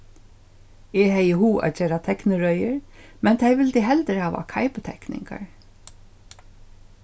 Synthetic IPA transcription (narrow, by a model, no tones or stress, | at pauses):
ɛːɦɛjəhuːʔa̰ːd͡ʒeːɾat̪ʰɛknəɹœʏəɹ | mɛnt̪ʰɛjʋɪlt̪ɪɦɛlt̪əɾhaːʋa̰kʰajpət̪ʰɛknɪ̰ŋka̰ɹ